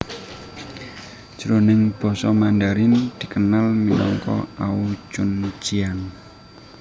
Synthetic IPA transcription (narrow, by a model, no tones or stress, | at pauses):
d͡ʒ̥ɾonɪŋb̥ɔ̤sɔmandaɾɪnd̪̥i̤kənalminɔŋkɔ̰aut͡ʃʊnt͡ʃian